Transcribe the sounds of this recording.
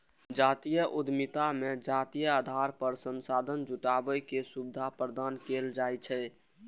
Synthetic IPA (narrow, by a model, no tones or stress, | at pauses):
d͡ʒat̪ijəʔud̪ʱmit̪amed͡ʒat̪ijəad̪ʱaɾpəɾsənsad̪ʱənd͡ʒuʈabəjkesubɪd̪ʱapɾəd̪ankeld͡ʒajt͡ʃʰɛ